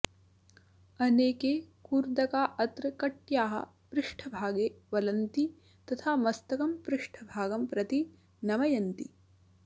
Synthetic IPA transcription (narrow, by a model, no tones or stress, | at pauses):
ɐneːkeːkuːɾd̪ɐkaːʔɐt̪ɾɐkɐʈjaːɦɐ̰ | pɾɪʂʈʰɐbʱaːɡeːʋɐlɐnt̪i | t̪ɐt̪ʰaːmɐst̪ɐkɐmpɾɪʂʈʰɐbʱaːɡɐmpɾɐt̪i | nɐmɐjɐnt̪ḭ